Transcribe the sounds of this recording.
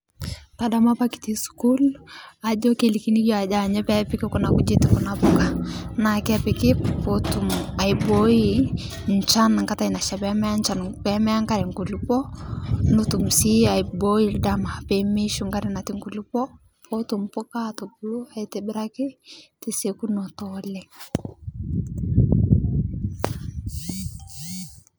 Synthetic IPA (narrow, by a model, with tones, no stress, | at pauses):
ta˨da˦ma˦pa˦ki̥˨ti˦su̥ku˦la˨d͡ʒɔ˦ke˨li˨ki˦ni˦d͡ʒɔ˦a˨d͡ʒa˨ɲɛ˦pɛ˦pɪ˦kɪ˦ku˦na˨ku˦d͡ʒe˦tɪ˨ku˨na˨pʊ˦ka˨na˨kɪ˦pɪ˨kɪ˦po˦tu˨ma˨ibo˦i˦ | n˨t͡ʃa˦n˨ŋka˦ta˨i˨na˨ʃa˨bɛ˦mɛ˦a˦nt͡ʃa˨npɛ˦mɛ˦a˦ŋka˦ɾɛ˨ŋku˨lu˦pɔ˦nu˦tu˨msi˦a˨ibo˦ji˦lda˨ma˨a˨pe˨me˦ʃu˦ŋɡa˦ɾɛ˨na˨ti˦ŋku˨lu˦pɔ˦ | po˦tu˨mpɔ˦ka˦to˨bu˦lu˦a˨i˨tɛ˨bɪ˦ɾa˦kɪ˦ti˨se˨ku˦nɔ˨tɔlɛ˨